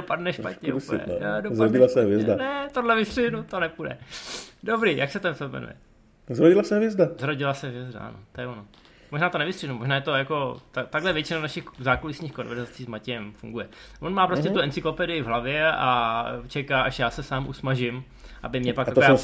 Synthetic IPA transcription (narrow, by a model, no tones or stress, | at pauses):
opadnɛʃpa̰t̪ɲɛ̰uɛ̰odozaɾoɟɪlasɛɦvjɛzdanɛt̪odlɛvɪsrɪɦnut̪onɛpudɛ̰dobɾiːjʔaksɛt̪ɛmsɛbmɛ̰nṵjɛ̰ | zɾoɟɪlasɛɦvjɛzdazɾoɟɪlasɛɦvjɛzda̰ʔa̰not̪ojɛono | moʒnaːt̪onɛvɪstrɪhnumo̞ʒnaːjɛt̪o̞jako̞t̪at̪aɡlɛvjɛt͡ʃɪnanaʃɪxzaːklolɪsɲiːxko̞nvɛɾzat͡siːzmacɛjɛmfṵŋɡujɛvonmaːpɾocɛt̪uʔɛnt͡sɪklo̞pɛdɪjɪvɦlavjɛat͡ʃɛkaːʔaʃjaːsɛsaːmʔusmaʒɪm | ʔa̰bɪmɲɛpak̪ak̪oja